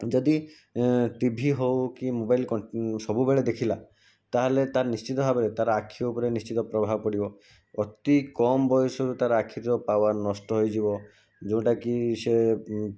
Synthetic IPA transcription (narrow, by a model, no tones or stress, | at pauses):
d͡ʒɔd̪i | ʈibʱiɦowkimobajlkɔsɔbʱubeɭed̪ekʰila | t̪aɦelet̪aɾnist͡ʃit̪ɔbʱabeɾet̪aɾaakʰiɔupɔɾenist͡ʃit̪ɔpɾɔbʱabɔkɔɽibɔ | ɔt̪ikɔmbɔjɔsɔɾut̪aɾaakʰiɾɔpawaɾnɔsʈɔɦojd͡ʒibɔ | d͡ʒow̃ʈakise